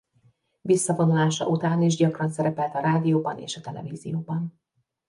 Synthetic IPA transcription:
visːɒvo̞nulaːʃɒ̰ʔut̪aːniʒɟɒkrɒnsɛɾɛpɛlt̪ɒɾaːd̪ijoːbɒnḛːʃɒt̪ɛlɛ̰viːzijoːbɒn

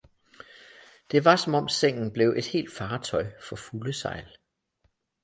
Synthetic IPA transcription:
d̥e̝ʋɑ̈sɒ̽mɒ̽mseŋ̰n̩b̥le̝ʊʔe̝d̥he̝̰ːld̥fɑ̈ːt͡sʰɒ̽ɪfɒ̽fuləsɑ̈ɪ̰l

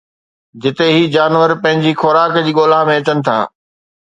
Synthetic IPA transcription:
d͡ʑɪt̪eɦiːd͡ʑaːnʋəɾpɐ̃ɦɪ̃ɲd͡ʑixʊɾaːkd͡ʑiːɠoːlamẽɐt͡ɕənɪ̆t̪ʰa̰ː

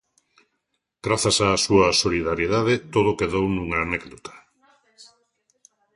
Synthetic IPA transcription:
ɡɾaθasaːsuɐsoliðaɾjeðaðet̪oðokeðownũŋaːnɛkðot̪ḁ

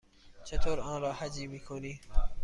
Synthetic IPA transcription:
t͡ʃʰet̪ʰoːɾɑ̃ːnɾɑːhad͡ʒiːmiːkʰoniː

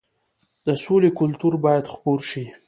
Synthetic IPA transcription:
d̪̥əsolekʊlt̪uɾbɑjad̪xpoɾʃi

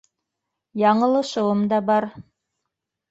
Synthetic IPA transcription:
jɑɴɤ̆lˠɤ̆ʃɤ̆wɤmd̪ɑbɑɾ

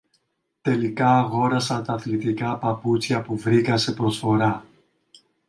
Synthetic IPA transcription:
t̪e̞likɐːɣo̞ɾɐsɐnt̪ɐːθlit̪ikɐpɐput͡sçɐpuvɾikɐse̞pɾo̞sfo̞ɾɐ

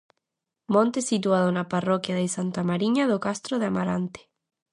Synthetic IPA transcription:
mõnt̪esit̪uaðonaparokjaðesant̪amaɾiɲaðokast̪ɾoðeamaɾant̪e̥

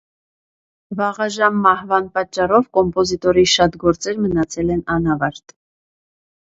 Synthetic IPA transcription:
vɑʁɑʒɑmːɑhvɑnpɑt͡ʃːɑrɔvkɔmpɔzit̪ɔɾiʃɑt̪ɡɔɾt͡sɛɾmənɑt͡sʰɛlɛnɑnɑvɑɾt̪

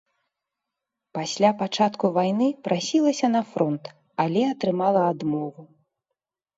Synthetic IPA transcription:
pasʲlʲapat͡ʂat̪kuvajn̪ɨpɾʔasʲilˠɐsʲɐn̪ɐfɾɔnt̪ | alʲɛɐt̪ɾɨmalˠɐad̪mɔvu

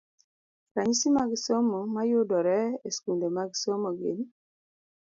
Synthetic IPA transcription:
ɾaɲisimaɡisɔmɔmajʊdɔɾɛeskundomaɡisɔmɔɡɪ̰n

